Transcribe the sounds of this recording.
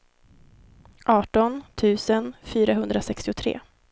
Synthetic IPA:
ʔɑːʈɔnt̪ʰʉ̟ːsənfyːɾaɦɵnd̪ɾasɛkst̪ɪʊt̪ʰɾḛː

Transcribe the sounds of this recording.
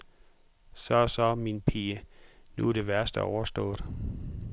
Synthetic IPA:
sɒsɒminpʰiːənuɾ̥e̝ʋæɐsd̥əɒʊɐsd̥ɔ̰̽ːɾ̥

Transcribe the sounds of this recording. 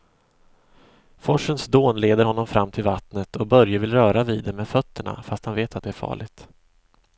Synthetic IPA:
fɔʂːənsd̪oːnleːd̪əɾhɔnːɔmfɾamːt̪ʰɪlvat̪nət̪ʰɔbœɾjəvɪlɾœːɾaviːd̪ɛmeːd̪fœt̪ʰːəɳa̰fast̪hanveːt̪at̪̚d̪ɛæɾfɑ̰ːɭɪɡt̪

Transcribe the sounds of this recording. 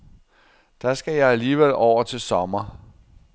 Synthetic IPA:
d̥ɑ̈sɡ̥æjɑ̈ɪæliːʋel̰ɒʊ̰ɐt͡sʰe̝lsɒ̽mɐ

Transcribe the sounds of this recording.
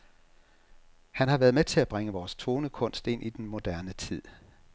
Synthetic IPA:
hænhɑ̈ʋæːɐð̞̩ˠmet͡sʰe̝læb̥ʁeŋəʋɒːst͡sʰo̝ːnəkʰɔ̽n̰sd̥e̝n̰ʔid̥enmo̝d̥æɐnət͡sʰið̰ˠ

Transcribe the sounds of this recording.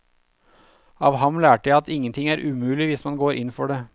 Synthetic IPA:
ɑːʋhɑmlæːʈəjæɪɑt̪ɪŋːənt̪ʰɪŋæːɾʔʉmʉːlɪʋɪsmɑnɡoːɾʔɪnfɔɖeː

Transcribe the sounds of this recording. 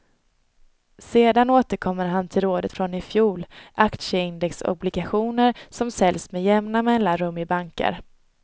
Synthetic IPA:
seːd̪anoːt̪əɾkʰɔmːəɾɦant̪ʰɪlɾoːd̪ət̪fɾɔnɪfjuːlʔakt̪ʂəɪnd̪ɛksʊ̰blɪɡaɧuːnəɾsɔmsɛlsmɛjɛmnamɛlːaɾɵmːɪbaŋkə̰ɾ

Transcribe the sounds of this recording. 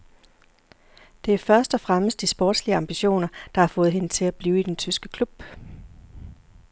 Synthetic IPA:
d̥e̝æɐfɶɐsd̥ɒfʁaməsd̥isb̥ɔ̰ːd̥sliəɑ̈mb̥iɕo̝̰ːnɐd̥ɑ̈hɑ̈fɔ̽ːð̞̩ˠɦe̝nət͡sʰe̝læb̥liːʊid̥ent͡sʰysɡ̥əkʰlub̥

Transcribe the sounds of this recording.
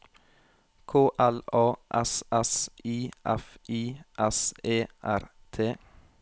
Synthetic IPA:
kʰoːʔælɑːʔɛsʔɛsʔiːʔɛfʔiːʔɛseːʔæɾt̪ʰeː

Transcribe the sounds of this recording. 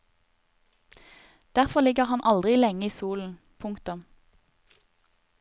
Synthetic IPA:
d̪̥æʁfɔʁlɪɡəʁhɑnʔɑld̪ʁɪlɛŋəiːsuːln̩ | pʰʊŋkt̪ʊm

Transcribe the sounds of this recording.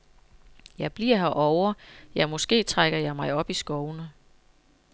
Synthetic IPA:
jɑ̈ɪb̥liɐ̰ɦæʔɒʊɐjɑ̈ɪmɔ̽sɡ̥e̝̰ːt͡sʰʁaɡ̥ɐjɑ̈ɪmɑ̈ɪɒ̽b̥isɡ̥ɒʊnə

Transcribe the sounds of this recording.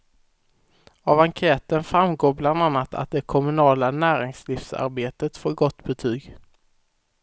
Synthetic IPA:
ɑvaŋkʰɛːt̪ənfɾamɡoːbland̪anːat̪ʰa̰t̪̚d̪ɛkʰɔmɵnɑːlanæːɾɪŋslɪfsa̰ɾbeːt̪ət̪foːɾɡɔt̪ːbɛt̪ʰyːɡ

